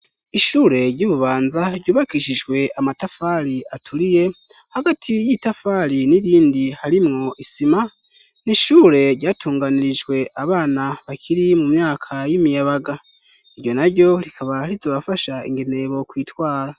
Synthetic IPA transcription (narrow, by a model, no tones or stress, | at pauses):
iʃuːɾe̞ɾɟuːβuβaːnzaɾɟuːβakiʃid͡ʒɡwe̞amatafaɾiatʰuɾije̞haɡatʰijitafaɾiniɾiːndihaɾimŋo̞ʔisima | niʃuːɾe̞ɾɟaːtʰuːŋɡaniɾid͡ʒɡwe̞ʔaβaːnaβakʰiɾimumɲaːkʰajimijaβaɡa | iɾjo̞naɾjo̞ɾikʰaβaɾizo̞ːβafaʃaḭŋɡene̞βo̞kwiːtwaːɾa